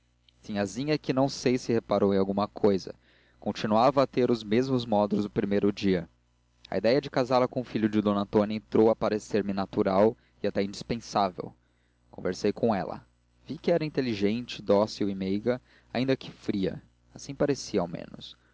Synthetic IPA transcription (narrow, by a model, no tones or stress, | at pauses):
sĩɲazĩɲɐɛkɪnɐ̃w̃sejsɪhepaɾowẽawɡũmɐkʰojzɐ̰ | kõt͡ʃinuavɐːt̪eɾʊzmezmʊzmɔd̪ʊlʊzʊpɾimejɾʊd͡ʒiɐ | ɐ̰id̪ɛjɐd͡ʒɪkazaɾlɐkõʊfiʎʊd͡ʒɪd̪õnɐ̃t̪õnɐẽt̪ɾowɐpaɾeseɾmɪnat̪uɾaw | ɪat̪ɛĩnd͡ʒispẽsavḛw | kõvḛɾsejkʰõɛ̰lɐ̰ | vikɪɛɾɐĩnt̪eliʒẽnt͡ʃɪd̪ɔsiʊimejɡɐ | aĩnd̪ɐkɪ̥fɾiɐ̰ | asĩpaɾesiɐa̰wmḛ̃nʊs